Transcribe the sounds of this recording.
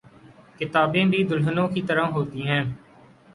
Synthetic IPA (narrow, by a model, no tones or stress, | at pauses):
kɪt̪aːbẽːbʱiːd̪ʊlɦənõːkiːt̪əɾãːɦoːt̪iːɦɛ̃ː